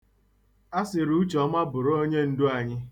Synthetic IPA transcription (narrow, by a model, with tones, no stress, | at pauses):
a˦sɪ˨ɾu˦t͡ʃɔ˦ma˦bʊ˨ɾo˦ɲe˦n̩˦dʊ˦a˨ɲɪ˦